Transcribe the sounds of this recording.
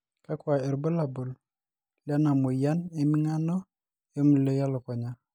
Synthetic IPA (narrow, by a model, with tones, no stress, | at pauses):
ka˦kwa˨ɛ˨ɾbo˦la˨bo˨l | lja˦na˨mo˨ja˦ne˨mi˦ŋa˦nɔ˦ | e˦mu˨le˦ja˦lɔ˨kɔ˨ɲa˦